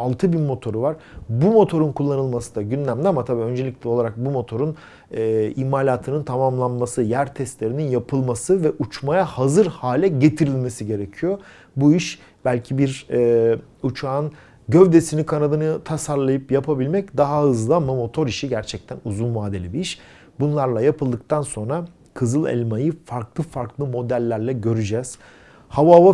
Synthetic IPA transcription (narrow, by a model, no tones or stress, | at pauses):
alˠt̪ʰɯbimo̞t̪ʰo̞ɾuvaɾ̥ | bumo̞t̪ʰo̞ɾunkʰulˠːanɯlˠmasɯd̪aɟynlʲæmd̪ʲiamat̪ʰabiːø̞nd͡ʒe̞lʲiclʲɛo̞lˠaɾak̚bumo̞t̪ʰo̞ɾun | ɛːimaːlʲaːt̪ʰɯnɯnt̪ʰamamlˠanmasɯjæɾt̪ʰɛst̪lʲe̞ɾininjapʰɯlˠmasɯvɛʔut͡ʃmajahazɯɾhaːlʲɛɟe̞t̪ʰiɾilʲmesiɟe̞ɾecʰijo̞ | buiʃ | b̥ælʲcʰibiɾɛ | ut͡ʃʰaːn | ɟø̞vd̪esinikʰanad̪anɯt̪ʰasaɾlˠajɯpjapʰabilʲmɛc̚d̪aɦaɯzlˠamamo̞t̪ʰo̞ɾiʃiɟæɾt͡ʃʰɛc̚t̪ʰænuzunvaːd̪elʲibiiʃ | bunlˠaɾlˠajapʰɯlˠd̪ɯk̚t̪ʰanso̞nɾa | kʰɯzɯlˠɛ̰lʲmajɯfaɾklˠɯfaɾklˠɯmo̞d̪ælʲːæɾlʲɛɟø̞ɾyd͡ʒɛz̥ | havava